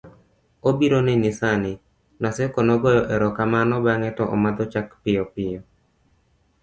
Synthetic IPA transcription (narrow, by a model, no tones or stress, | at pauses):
obiɾonɛnɪsanɪ | nasɛkɔnɔɡɔjɔʔɛɾɔkamanɔbaŋɛtɔʔɔ̰mad̪ɔt͡ʃakpɪjɔpɪjɔ